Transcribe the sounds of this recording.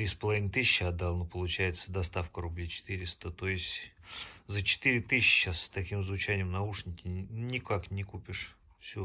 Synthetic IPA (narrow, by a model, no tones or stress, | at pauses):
t̪ɾʲispəlˠɐvʲinət̪ɨɕʲɪɕːəɐd̪d̪ːalˠnəpəlˠʊt͡ɕæjɪt̪səd̪ɐst̪afkəɾʊblʲit͡ɕɪ̥t̪ɨɾʲɪst̪ət̪oɪsʲtʲzət͡ɕɪ̥t̪ɨɾʲɪt̪ɨɕʲɪɕəst̪ɐkʲimzvʊt͡ɕænʲɪjəmnɐuʂnʲɪtʲɪnʲɪkaknʲɪkupʲɪʂ | fsʲu